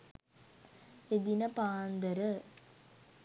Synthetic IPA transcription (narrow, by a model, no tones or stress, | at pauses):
ed̪inəpaːnd̪əɾə